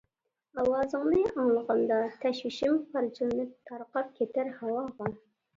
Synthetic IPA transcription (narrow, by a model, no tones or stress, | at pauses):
ɑwɑːzɨŋnɨʔɑŋlˠəʁɑnd̪ɑt̪ʰɛʃwɪʃimqɑɾt͡ʃʰilɨnɨp̚t̪ʰɑɾqɑp̚kʲʰet̪ʰɪɾhɑwɑʁɑn